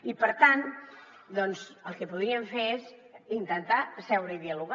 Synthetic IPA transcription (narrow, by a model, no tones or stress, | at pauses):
ipəɾt̪an | d̪ɔnzəlˠkəpuðɾiəɱfeɾezint̪ənt̪asɛwɾəiðiəluɣa